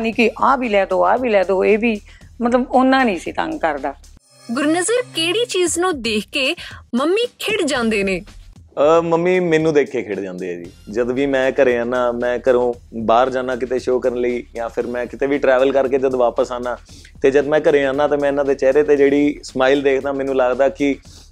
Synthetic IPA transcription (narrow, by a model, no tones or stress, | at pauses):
nĩːkiʔaːbiːlɛːd̪oːaːbʱiːlɛːd̪oːeːʋiːmət̪ləbʊnːãːnĩːsiːt̪ə̰̃ŋɡkəɾd̪aː | ɡʊɾnəzəɾkeːɽiːt͡ʃiːznũːd̪eːkʰkeːməmːiːkʰɪɽd͡ʒãːnd̪eːneːəməmːiːmɛ̃ːnːũːd̪eːkʰːeːkʰɪɽd͡ʒãːnd̪eːɛ̰ːd͡ʒḭːd͡ʒəd̪ʋiːmɛ̃ːkəɾeːãːnãːmɛ̃ːkəɾõːbaːɾd͡ʒaːnãːkɪt̪eːʃoːkəɾənləiːjãːpʰɪɾmɛ̃ːkɪt̪eːʋiːʈɾɛːʋəlkəɾkeːd͡ʒəd̪ʋaːpəsaːnaː | t̪eːd͡ʒəd̪mɛ̃ːkəɾeːãːnãːt̪eːmɛ̃ːɪnãːd̪eːt͡ʃɛːɾeːt̪eːd͡ʒeːɽiːsmaːɪld̪eːkʰd̪ãːmɛːnũːlaːɡd̪aːkɪ